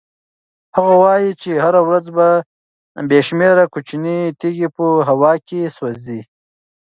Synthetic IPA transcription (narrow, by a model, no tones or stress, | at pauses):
haɣawɑjit͡ʃehaɾawɾad͡zba | beʃmeɾakut͡ʃinit̪iɡipəɦawɑkeswazi